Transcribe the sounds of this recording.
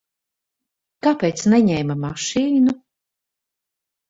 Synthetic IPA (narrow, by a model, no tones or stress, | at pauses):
kapɛːt̪snɛɲɛːmamaʃiːnu